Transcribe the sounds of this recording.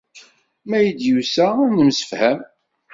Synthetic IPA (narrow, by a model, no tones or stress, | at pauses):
mæjəd̪jusænəmsə̥fhæm